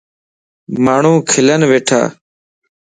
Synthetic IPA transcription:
maːɳ̤ũːkʰɪlənʋeːʈʰa̰ː

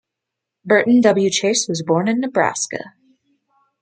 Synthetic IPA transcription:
bɜ˞ʔn̩dʌbl̩ˠjʉt͡ʃʰeɪswʌzbɔɹnɨ̃nːɨbɹæ̰skɨ̰

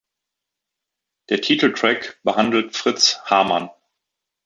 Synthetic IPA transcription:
d̥eːɐtʰiːtl̩tʁ̥ɛkb̥əhandl̩tfʁ̥ɪt͡shaɐman

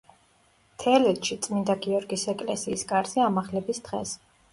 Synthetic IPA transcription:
t̪ʰɛlɛt̪ʼʃit̪sʼmind̪aɡiɔɾɡisɛkʼlɛsiːskʼaɾziamaχlɛbisd̪̥ʁɛ̰s

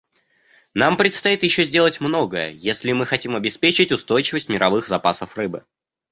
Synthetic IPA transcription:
nampɾʲɪt̪st̪ɐit̪jɪɕːozʲdʲe̞lˠətʲmno̞ɡəjə̰jesʲlʲɪmɨxɐtʲimɐbʲɪspʲet͡ɕɪtʲʊst̪o̞jt͡ɕɪvəsʲtʲmʲɪɾɐvɨxzɐpasəfrɨbɨ̰

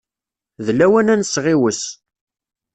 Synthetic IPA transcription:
ðlæwænænsːʁiwəs

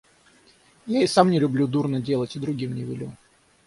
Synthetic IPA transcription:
jaɪsamnʲɪlʲʊblʲud̪urnədʲe̞lˠətʲɪd̪ɾʊɡʲimnʲɪvʲɪ̰lʲṵ

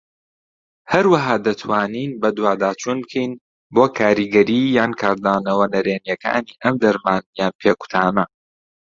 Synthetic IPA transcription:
hɐɾwɐɦaːd̪ɐt̪ʰwaːniːnbɐd̪waːd̪aːt͡ʃʰunbkʰijn | boːkʰaːɾiɡɐɾiːjaːnkʰaːɾd̪aːnɐwɐnɐɾeːnjɛkʰa̰ːniːʔɐmd̪ɐɾmaːnjaːnpʰeːku̥t̪ʰaːnɐ

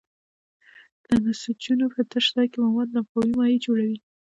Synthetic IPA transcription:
d̪̥ənasut͡ʃunopət̪əʃd̪ɑjkemawɑd̪lamxawimɑjed͡ʒoɽawi

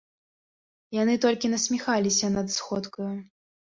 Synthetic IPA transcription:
janɨt̪ɔlʲkʲinɐsʲmʲixalʲisʲɐnɐt̪sxɔt̪kɐju

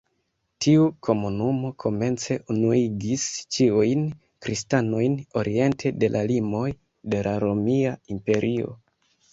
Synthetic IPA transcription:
tʰiukʰo̞munumo̞kʰo̞me̞nt͡se̞ʔunuiɡist͡ʃiujn | kɾistano̞jno̞ɾʔie̞ntʰe̞de̞lʔalimo̞j | de̞laɾo̞miaimpe̞ɾʔio̞̰

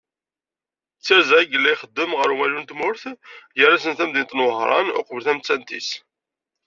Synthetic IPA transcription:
t͡sːæɾzæɡəlːæjχəd̪ːəmʁəɾwælunt̪mʊɾθjəɾæsənθæmðint̪nwəɦɾˤɑ̰nʊ̰qvəlθæmt͡sːænt̪ḭs

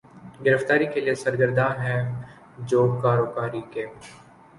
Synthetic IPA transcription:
ɡɪɾəft̪aːɾikeliesəɾɡəɾd̪ãɦɛ̃ | d͡ʒoːkaːɾoːbaːɾikeː

